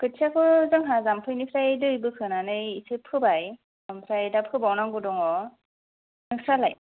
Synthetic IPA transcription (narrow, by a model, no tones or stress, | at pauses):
kʰɯtsʰiakʰɯzɯŋɦazampʰɯjnipʰɾajdɯjbɯkʰɯnanɯjisɯpʰɯbaj | ampʰɾajdapʰɯbawnaŋɡɯdɔŋɔ | nɯksalaj